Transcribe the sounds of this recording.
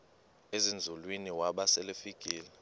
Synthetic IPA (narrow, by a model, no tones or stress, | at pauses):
ezind͡zʱulwiniwaɓasɛlefiɡ̥ʱʼiːlɛ